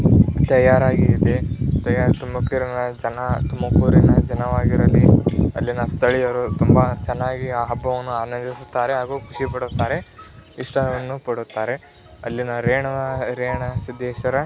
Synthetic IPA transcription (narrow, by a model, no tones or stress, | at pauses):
t̪ɐjaːɾaːɡiːd̪et̪ɐjaːɾt̪umɐkːiɾɐnɐd͡ʒɐnɐt̪umɐkuːɾinɐd͡ʒɐnɐʋaːɡiɾɐlːiɐlːinɐst̪ʰɐɭijɐɾut̪umbɐt͡ʃɛnːaːɡiaːɦɐbːɐʋɐnːuaːnɐɲd͡ʒisu̥t̪ːaːɾeɦaːɡuːkʰuʂipɐɽut̪ːaːɾe̞iʂʈɐʋɐnːupɐɽut̪ːaːɾe̞ | ɐlːinɐɾeːɳɐɾeːɳɐsid̪ːeːʃɐɾɐ